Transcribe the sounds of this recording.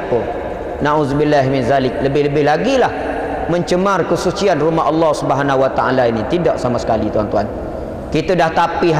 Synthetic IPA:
pʊn | nãʔuzbilːaɦmɪnzalɪk̚ləbɪhləbɪɦlaɡilah | mə̃ɲt͡ʃəmarkəsut͡ʃianrumaɦɑlːɔhsubəɦanawat̪aʔalainit̪idaʔsamasə̥kalit̪uant̪uan | kit̪ədaht̪apiɦ

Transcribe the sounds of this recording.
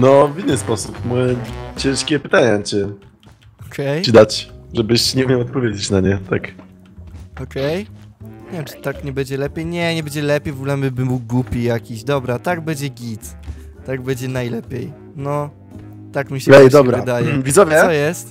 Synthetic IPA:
nɔvinːɘspɔsupmɔjɛt͡ɕɛ̃ʂkʲɛpɘt̪aɲat͡ɕɛ | ɔkʰɛjt͡ɕid̪at͡ɕʐɛbɘɕt͡ɕɲɛumʲjawɔt̪̚pɔvʲjed͡ʑet͡ɕnaɲɛt̪ak | ɔkʰɛjɲɛvʲjɛmt͡ʂɨ̥t̪akɲɛbɛɲd͡ʑɛlɛpʲjejɲɛɲɛbɛɲd͡ʑɛlɛpʲjejvɔɡulɛmɘbɘmuwɡwupʲijakʲiɕd̪ɔbɾat̪aɡbɛd͡ʑɛɡʲit̪ː | aɡbɛd͡ʑɛnajlɛpʲjej | nɔ | t̪akmʲiɕɛɛjd̪ɔɛbɾavɨd̪ajɛvʲizɔvʲjɛɔjɛst̪

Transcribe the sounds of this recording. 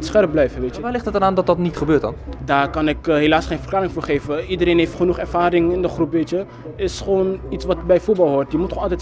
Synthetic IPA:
tsχɛrp̚blɛjvəʋeːtəʋaːlɪχtətdnaːndɔt̚dɑtnitχəbøːtdɑ̰ndaːrkɑnɪkɦelaːsχejnfərklaːɾɪŋfoːɹχejvəidəɾejnɦejftχənuχɛɹvaːɾɪŋɪndəχrupʋeːtjə | ɪsχəʋoːnitsʋɑtbɛjfuɹbɑlˠɦoɹtjəmutχoːnɑlˠtɛt

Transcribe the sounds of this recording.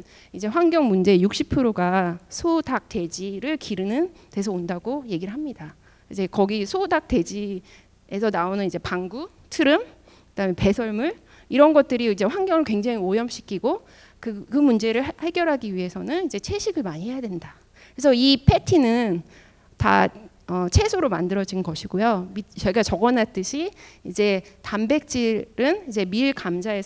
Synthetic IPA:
id͡ʑe̞ɸwaŋɡjʌŋmund͡ʑe̞juk̚ɕ͈ipʰɯɾoɡasʰodak̚t͈e̞d͡ʑiɾɯɭkiɾɯnɯnte̞sʰʌondaɡoje̞ɡiɾɯɭɦamɲida | id͡ʑe̞kʌɡisʰodak̚t͈e̞d͡ʑi | e̞sʰʌnaonɯnid͡ʑe̞paŋɡu | tʰɯɾɯm | kɯd̥aɦɯmepe̞sʰʌɭmuɭ | iɾʌnɡʌt̚t͈ɯɾiid͡ʑe̞ɸwaŋɡjʌŋɯɭkwe̞ŋd͡ʑaŋiojʌmɕʰi̥kʰiɡo | kɯkɯmund͡ʑe̞ɾɯɭhaɭɡjʌɾɦaɡiɥiɦe̞sʰʌnɯnid͡ʑe̞t͡ɕʰe̞ɕʰiɡɯɭmaɲiɦe̞jadwe̞nda | kesʰʌipʰe̞tʰinɯn | ta̰ | ʌt͡ɕʰe̞sʰoɾoma̰ndɯɾʌd͡ʑinnɡʌɕʰiɡojomit͡ɕʌɭɡat͡ɕʌɡʌnɦat͈ɯɕʰiid͡ʑe̞tambe̞k̚t͡ɕ͈iɾɯnid͡ʑe̞miɭkamd͡ʑaes

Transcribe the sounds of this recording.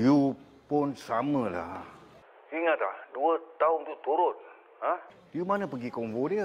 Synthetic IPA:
ju | pʊnsamə̃la̰ | siŋat̪laduət̪aʊnt̪ut̪uɾʊn | hã | jumanəpəɡikɔŋvodiə

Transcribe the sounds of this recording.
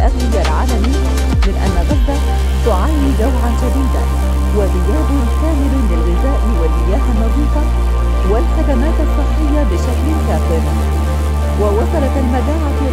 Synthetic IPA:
ʔaɣlɪd͡ʒalʕaːlamɪjːa | mɪnʔa̰nːaɣazːa | t̪ʊʕaːnid̪awʕand͡ʒad̪iːd̪a̰n | wazɪjaːd̪ʊhkaːmɪllɪlɣɪzaːʔwɪlʔɪjaːhanːɑziːq̪ɑ | wɪlħad̪amaːt̪ɑsˤːɨħːɪjːabɪʃaklɪkaːfɪɾ | wɪwɑsˤɑɾˤɑt̪almad̪aːʕa

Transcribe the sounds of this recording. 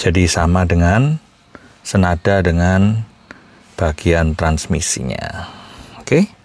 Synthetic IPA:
d͡ʒ̥adisamadəŋan | sənad̥adəŋan | b̥aɡ̥iant̪ɾansmḭsḭɲa̰oke

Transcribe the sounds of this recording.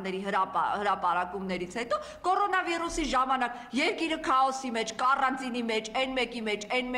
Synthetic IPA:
ɛɾiɦəhəɾɑpɑɾɑkumnɛɾit͡sʰhɛt̪ɔ | kɔɾɔnɑvirusiʒɑmɑnɑk | jɛɾkiɾəkʰɑɔsimɛt͡ʃʰkɑrɑnt͡sinimɛt͡ʃʰɛnmɛkimɛt͡ʃʰɛnm

